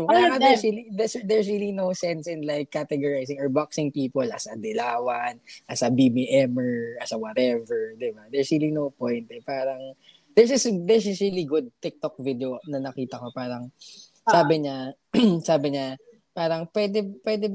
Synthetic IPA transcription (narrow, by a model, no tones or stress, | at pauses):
okkɐjaːŋɐdɛɹsilid̪ɛsd̪ɛɹsɹilinowsɛnsɪnlajkːat̪ɛɡɔɹajsɪŋɔɹbaksɪ̃ŋpiːpolʔɐsɐd̪ɪlaːwɐnʔɐsɐbimiʔɛmɛɹɐsɐwɐt̪ɛvɛɹd̪ɪbad̪ɛɹsɹilinowpɔjnt̪ɛpaːɾɐŋ | d̥̪ɛɹsɪsd̪ɛɹsɪsɹiliɡʊd̪̚t̪ɪk̚t̪ok̚vid̪eonɐnɐkiːt̪ɐko̞paːɾɐŋ | aːbɪɲa | saːbɪɲa | paːɾɐŋpwɛd̪ɛpwɛd̪ɛ